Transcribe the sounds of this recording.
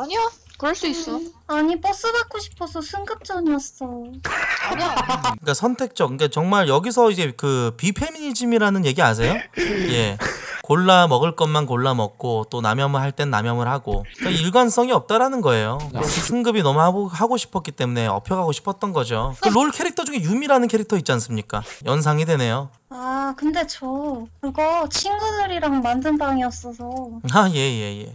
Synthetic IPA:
kɯɾʌɭs͈uis͈aɲipʌs͈ɯbak͈oɕʰi̥pʰʌsʰʌsʰɯŋɡɯp̚t͡ɕ͈ʌnas͈ʌ | k͈asʰʌntʰe̞k̚t͡ɕ͈ʌkik͈at͡ɕʌŋmaɭjʌɡis̬ʰʌid͡ʑe̞kɯpipʰemiɲid͡ʑimiɾanɯnje̞ɡia̰s̬ʰe̞joje̞koɭːamʌɡɯɭk͈ʌnmankoɭːamʌk̚k͈ot͈ona̰mjʌmɯɭɦaɭt͈e̞nɯnːa̰mjʌmɯɭhaɡokaiɭɡwans͈ʌŋiʌp̚t͈aɾanɯnɡʌe̞joɯsʰɯŋɡɯbinʌmuhaɡohaɡoɕʰi̥pʰʌk͈it͈e̞mune̞ʌ̰pʰjʌɡaɡoɕʰi̥pʰʌt̚t͈ʌnɡʌd͡ʑokɯɾoɭkʰe̞ɾik̚tʰʌd͡ʑuŋejumiɾanɯnkʰe̞ɾik̚tʰʌit̚t͡ɕ͈ians͈ɯmɲik͈a̰jʌns̬ʰaŋidwe̞ne̞jo | akɯnde̞t͡ɕokɯɾiɡʌt͡ɕʰiŋɡudɯɾiɾaŋmandɯnbaŋiʌps͈ʌsʰʌaje̞jeje̞̰

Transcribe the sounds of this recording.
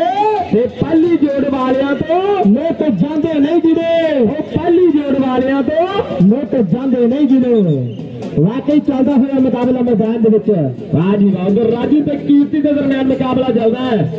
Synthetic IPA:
t̪eːpəlːiːd͡ʒoːɽʋaːljãːt̪oːmẽːt̪oːd͡ʒãːnd̪enəĩːd͡ʒineːoːpəlːiːd͡ʒoːɽʋaːljãːt̪oːmẽːt̪od͡ʒãːnd̪enəĩːd͡ʒineː | ʋaːkəiːt͡ʃald̪aːseəɾmẽt̪aːbelaːmẽbɛːnd̪eːʋɪt͡ʃɛ | aːd͡ʒibaːõɡ̪eɾaːd͡ʒĩnt̪ekiːt̪ːiːnəzəɾmjaːnmẽːkaːblaːd͡ʒald̪aːɛ

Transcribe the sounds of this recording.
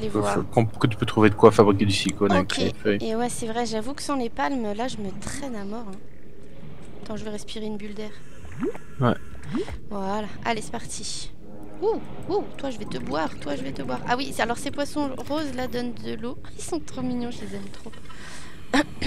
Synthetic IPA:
alevwaʁkɑ̃kət̪y̥pøt̪χuved̪əkwafabʁik̬ʲed̪ysikonakeefœjewɛsɛvʁɛʒavukə̥sɑ̃lepalmlaʒəmət̪χɛnamɔʁɛ̃ | t̪ɑ̃ʒəveʁɛspiʁeynbyld̪ɛːʁ | wɛ | vwalaʔalesɛ̥paʁt̪ʰi | u | ut̪waʒəvɛt̪əbwaʁt̪waʒəvɛt̪əbwaʁa̰wialɔʁsepwasɔ̃ʁozlad̪ɔnd̪əlo | isɔ̃t̪χominjɔ̃ʒəlezɛmt̪χop

